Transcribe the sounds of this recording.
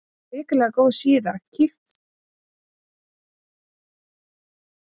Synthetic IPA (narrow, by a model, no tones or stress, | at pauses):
ɪːklɛɣakowðsiːðaxt̪cʰift̪